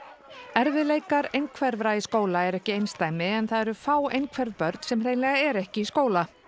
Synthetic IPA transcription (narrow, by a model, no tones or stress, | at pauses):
ɛɾvɪðlejkaɾejnkʰvɛɾvɾaiskoːwlaɛɾɛhcɪejnst̪aːjmɪɛnθaðɛɾʏfaːwejnkʰvɛɾvpœɾt̪n̥sɛmr̥ejnlɛɣaɛɾɛhcɪiskoːwla